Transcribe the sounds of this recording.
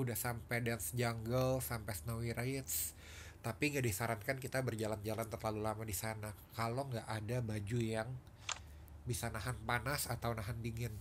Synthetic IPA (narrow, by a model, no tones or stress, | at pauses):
udahsampɛdɛnsd͡ʒaŋɡəlsampasnawiɾaɪt̪s | t̪apiŋɡaʔdisaɾankankit̪abərd͡ʒaland͡ʒalant̪ərlalulamadisanakaloŋɡaʔadabad͡ʒujaŋ | bisanaɦanpanasat̪awnaɦandiŋɪn